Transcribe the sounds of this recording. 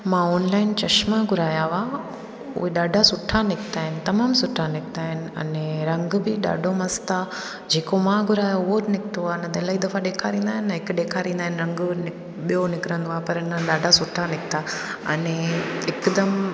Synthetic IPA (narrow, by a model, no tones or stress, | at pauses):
mãoːnlaːɪnt͡ɕɐʃmaɡʊɾaːjaʋa | ʊ̰ɦeɗaːɖʱasʊʈʰːanɪkʰt̪aːɦɪnɪ̆t̪ɐmaːmsʊʈʰːanɪk̚t̪aːɦɪnɪ̆ɐ̰neɾɐ̃ŋɡbɪɗa̰ːɖʱomɐst̪a | d͡ʑeːkomãɡʱʊɾaːjaʊɦoɾnɪkʰt̪oanɐd̪ɐlaːɦid̪ɐfaɗeːkʰaɾĩːnd̪aːɦɪnːɐɪkɗeːkʰaɾĩːnd̪aɦɪnɾɐ̃ŋɡnɪ | ɓijonɪkɾə̃nd̪oapɐɾɪnəɗaːɖʱasʊʈʰːanɪkʰt̪a | ɐ̰neɪkd̪ɐm